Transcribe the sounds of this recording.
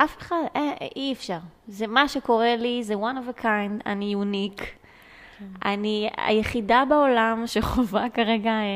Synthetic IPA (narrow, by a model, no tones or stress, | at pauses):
ʔafe̥χadeiɛfʃaʁzemaʃeko̞ʁelizewanovekʰãjnda̰nijunik | a̰nia̰jeχidabaolamʃeχovakaʁeɡa